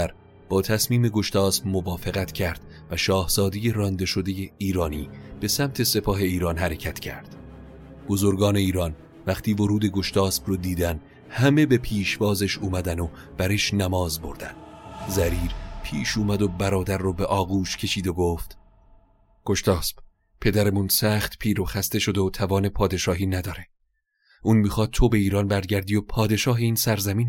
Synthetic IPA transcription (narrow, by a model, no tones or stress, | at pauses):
æɾ | b̥ɒːt̪ʰæsmiːme̞ɡo̞ʃt̪ʰɒːsbmovɒːfeɣæt̪ʰcʰæɾd̪̥ | væʃɒːhz̥ɒːd̪e̞je̞ɾɒnd̪e̞ʃo̞d̪e̞jeiːɾɒːniːb̥e̞sæmt̪ʰe̞se̞pʰɒːɦe̞iːɾɒːnhæɾe̞cʰæt̪ʰcʰæ̰ɾd̪̥ | b̥o̞zoɾɡɒːne̞iːɾɒn | væχt̪ʰiːvoɾuːd̪e̞ɡo̞ʃt̪ʰɒːsb̥rɔd̪iːd̪æn | hæme̞be̞pʰiːʃvɒːzeʃuːmæd̪æno | b̥æɾeʃnæmɒːzboɾd̪ænd̪zæɾiːɾpʰiːʃuːmæd̪obæɾɒːd̪æɾːobe̞ʔɒːɣuːʃcʰe̞ʃiːd̪oɡoːft̪ | ɡ̥o̞ʃt̪ɒːsb̥ | pʰe̞d̪æɾemunsæːχt̪pʰiːɾoxæst̪e̞ʃo̞d̪eot̪ʰævɒːne̞pʰɒːd̪e̞ʃɒːɦiːnæd̪ɒːɾe | ʔuːnmiːxɒːd̪̚t̪ʰobe̞iːɾɒːnbæɾɟæɾd̪iːjopʰɒːd̪e̞ʃɒːɦeiːnsæɾzæmiːn